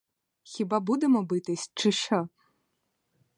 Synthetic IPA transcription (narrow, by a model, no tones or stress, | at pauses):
xʲibabud̪emɔbɨt̪ɪsʲt͡ʃɪʃɔ